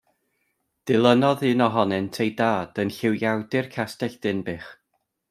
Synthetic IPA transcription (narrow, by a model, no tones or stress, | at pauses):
d̥ɪlˠənɔðɨnɔɦɔnɛntʰejdaːd̥ənɬɪwjawdɪrkʰastɛɬd̥ɪnbɪːχ